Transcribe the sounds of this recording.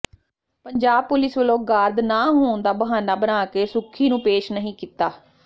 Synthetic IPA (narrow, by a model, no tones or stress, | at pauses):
pəɲd͡ʒaːb̚pʊlɪsʋəlõːɡaːɾd̪naːɦoːnd̪aːbəɦaːnaːbənaːkeːsʊkʰːiːnũːpeːʃnəɦĩːkit̪aː